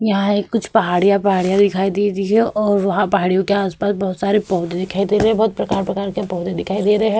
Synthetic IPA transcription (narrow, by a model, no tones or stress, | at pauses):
jɐɦãeːkːʊt͡ʃʰpɐɦaːɽijãpɐɦaːɽijãd̪ɪkʰaːid̪eːt̪iɦɛɔːɾʋɐɦãpɐɦaːɽijõkeaːspaːsbɐɦʊt̪saːɾepɔːɦd̪ẽd̪ɪkʰaːid̪eːɾɐɦɛ̃bɐɦʊt̪̚pɾɐkaːɾpɾɐkaːɾkapɔːd̪ed̪ɪkʰaːid̪eːɾɦɛ